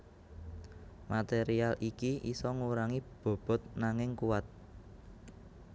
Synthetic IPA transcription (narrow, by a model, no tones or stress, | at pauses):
mat̪eɾialʔikiʔisɔŋuɾaŋib̥o̤b̥ɔ̤t̪̚naŋɪŋkuwat̪̚